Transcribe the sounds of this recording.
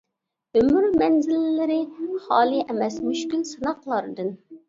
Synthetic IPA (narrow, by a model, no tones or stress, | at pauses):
ømyɾmɛnzɪlɪːɪɾɪχɑːlˠɨʔɛmɛsmyʃkʲylsɨnɑqlˠɑɾɨd̪ɨn